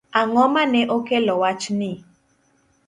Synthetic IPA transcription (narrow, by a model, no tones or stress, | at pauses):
aŋɔmanɛʔokelɔwat͡ʃnɪ